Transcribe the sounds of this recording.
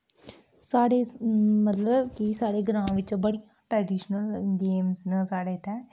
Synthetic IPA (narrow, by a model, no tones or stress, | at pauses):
saːɽeːmət̪ləbkisaːɽeːɡɾãːʋɪt͡ʃbəɽɪjãːʈɾɛːɖiːʃnəlɡeːmsnə̃ːsaːɽeːt̪ɛː